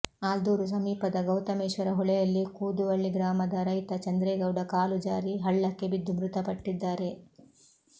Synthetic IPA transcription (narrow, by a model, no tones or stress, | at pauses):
aːld̪uːɾus̬ɐmiːpɐd̪ɐɡɐwt̪ɐmeːʂʋɐɾɐɦɔɭɛjɐlːikuːd̪uʋɐɭːiɡɾaːmɐd̪ɐɾɐjt̪ɐt͡ʃɐnd̪ɾeːɡɐwɖɐkaːlud͡ʒaːɾiɦɐɭːɐkːe̞bid̪ːumɾut̪ɐpɐʈːid̪ːaːɾe̞